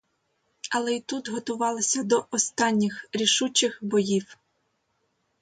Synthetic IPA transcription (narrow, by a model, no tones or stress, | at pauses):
ɐlˠɛit̪ut̪ɦɔt̪ʊʋɑlˠɪsʲɐd̪ɔʔɔst̪ɑnʲːɪxɾʲiʃut͡ʃɪxbɔjiw